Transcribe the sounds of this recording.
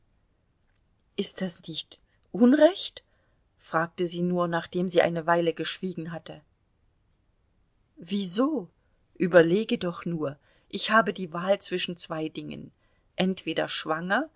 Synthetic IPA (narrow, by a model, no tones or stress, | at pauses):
ʔɪst̚d̥asnɪçt | ʔʊnʁɛçt | fʁ̥aːk̚təziːnuːɐnaːχd̥eːmziːʔa̰ɪnəvaɪləɡəʃv̥iːɡŋ̩ɦatə | viːzoː | ʔyːbɐleːɡədɔχnuːɐ | ʔɪçhaːbədiːvaːlt͡sv̥ɪʃn̩t͡sv̥aɪdɪŋə̰n | ʔɛntv̥eːɾɐ̰ʃv̥aŋɐ